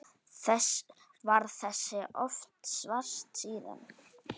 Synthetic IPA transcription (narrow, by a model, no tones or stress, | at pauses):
θɛs | vaɾθɛsːɪʔɔft̪svar̥st̪siːðɪ̰n